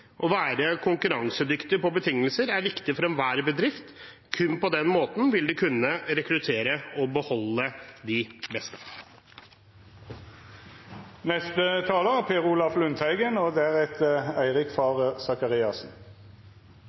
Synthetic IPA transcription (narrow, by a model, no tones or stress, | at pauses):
ʔɔʋæːɾəkʰʊŋkʉɾɑŋsəd̪ʏkt̪ɪpɔbət̪ʰɪŋːəlsəɾæɾʋɪkt̪ɪfɔɾɛnʋæːɾbəd̪ɾɪft̪ | kʰʉnpɔd̪ɛnmoːt̪n̩ʋɪld̪ʉkʰʉnːəɾɛkɾʉt̪ʰeːɾəɔbəhɔlːəd̪ɪbɛst̪ə̥ | nɛst̪ət̪ʰɑːləpʰeːʁuːlɑflʉnt̪ʰhæɪɡənɔd̪ɛæʁɛt̪ʰəæɪʁɪkfɑʁəsɑkɑʁiːɑsn̩